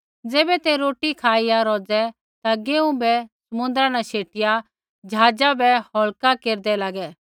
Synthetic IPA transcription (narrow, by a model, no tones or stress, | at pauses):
d͡zeːbɛt̪ɛɾoːʈikʰaːɪjaɾɔːd͡zɛ | t̪aɡeːũbɛsɐmʊ̃nd̪ɾãnãʃʰeːʈɪja | d͡ʒɦaːd͡ʒabɛhɔɭkakeːɾd̪ɛlaːɡɛː